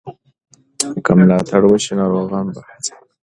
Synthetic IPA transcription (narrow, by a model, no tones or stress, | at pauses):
kamlɑt̪ʰaɽwəʃenɑːɾoːɣɑnbḁ